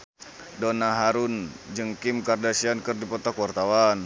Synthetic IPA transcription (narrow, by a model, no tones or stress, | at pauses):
donaɦaɾund͡ʒəŋkimkardasiankərdipɔt̪akwart̪awan